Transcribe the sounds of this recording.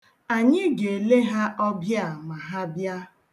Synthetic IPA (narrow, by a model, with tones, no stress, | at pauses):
a˨ɲɪ˦ɡe˨le˦ɦa˦ʔɔ˦bja˨ma˨ɦa˦bja˦